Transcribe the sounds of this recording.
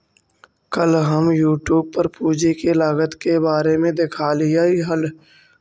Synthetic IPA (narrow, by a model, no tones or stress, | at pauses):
kəlɦəmjuːʈjuːb̚pəɾpuːd͡ʒekelaːɡət̪kebaːɾemẽd̪ɪkʰaːlɪjaːiɦəl